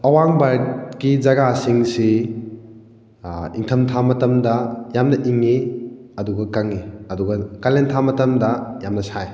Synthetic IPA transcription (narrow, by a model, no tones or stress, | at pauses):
ɐwaŋbaɾkid͡ʒɐɡasiŋsi | ḭŋtʰɐmtʰamɐtɐmdɐjamnɐʔiŋiɐduɡɐkɐŋiɐduɡɐkalentʰamɐtɐmdɐjamnɐsaj